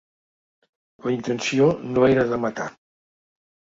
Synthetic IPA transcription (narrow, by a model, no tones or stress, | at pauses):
kəint̪ənsionoeɾəðəmət̪a